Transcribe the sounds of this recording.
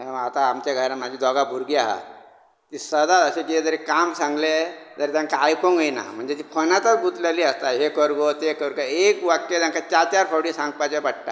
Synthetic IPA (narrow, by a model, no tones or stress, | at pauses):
eat̪aːmt͡ʃaɡʱəɾamad͡ʑʱid̪ɔɡabʱuɾɡiaɦa̰ | t̪isəd̪aəsekied͡zəɾekamsãŋɡled͡zəɾt̪ãŋkaːjkõŋɡəina̰m̤əɳd͡zet̪ipʰənat̪abut̪leliəst̪aɦekəɾɡot̪ekəɾkaekʋakːeãŋkat͡ʃat̪jaɾpʰəwɽisãŋɡpat͡ʃabəʈʈa̰